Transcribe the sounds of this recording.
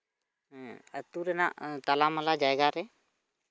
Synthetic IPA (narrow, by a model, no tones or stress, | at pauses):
ət̪uɾɛna̰ʔt̪alaməlad͡ʒaɛɡaɾɛ